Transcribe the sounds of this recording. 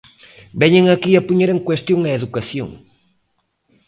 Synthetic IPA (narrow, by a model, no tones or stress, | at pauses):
bɛɲeŋɐkiɐpuɲeɾeŋkwest̪joŋeeðukaθjo̰ŋ